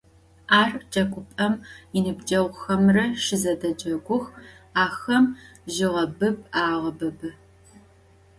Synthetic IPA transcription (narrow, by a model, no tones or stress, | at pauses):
aːrt͡ʃʼɐkʷʰʼʊpʼɐminɨbd͡ʒʼɐʁʷxɐmrɐʃɪzɐdɐd͡ʒʼɐɡʷʊxaːxɐmʒɪʁɐbɨpaːʁɐbɐbɨ